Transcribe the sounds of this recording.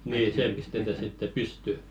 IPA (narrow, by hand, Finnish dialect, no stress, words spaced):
niː seː pistetæ sitːe pysty